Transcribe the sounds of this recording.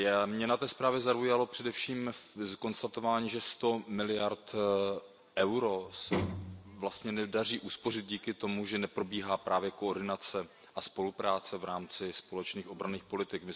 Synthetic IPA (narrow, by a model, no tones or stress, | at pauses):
jamɲɛnat̪ɛːspɾaːvjɛzaujalo̞pr̝̥ɛdɛfʃiːmko̞nst̪at̪o̞vaːɲiːʒɛst̪o̞mɪlɪjaɾt̪ | ʔɛwɾo̞sɛvlast̪ɲɛnɛdariːʔuspo̞rɪd̪̚ɟiːkɪt̪o̞muʒɛnɛpɾo̞biːɦaːpɾaːvjɛkoːrdɪnat͡sɛ | ʔaspo̞lupɾaːt͡sɛvɾaːmt͡sɪspo̞lɛt͡ʃniːxʔo̞bɾaniːxpo̞lɪt̪ɪkmɪ